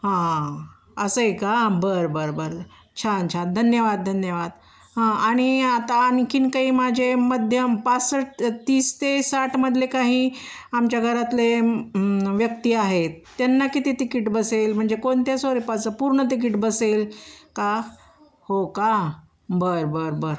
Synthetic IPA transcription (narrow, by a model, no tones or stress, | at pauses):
hã | əsəekabəɾbəɾbəɾ | t͡ɕʰant͡ɕʰad̪ʱənjəʋad̪̚d̪ʱənjəʋad̪ | ɦãaɽ̃iat̪anikʰiːnkaiːmad͡ʑʱeməd̪ʱjəmpat͡ssəʈt̪iːst̪esaʈʰməd̪ʱlekaɦi | amt͡ɕjaɡʱəɾat̪le | ʋjək̚t̪iːaɦet̪ːjanːakit̪it̪ikiʈbəselm̤əɳd͡zekoɳt̪jasoɾipat͡səpuɾɳət̪̬ik̬iʈbəselka | hoka | bəɾbəɾbəɾ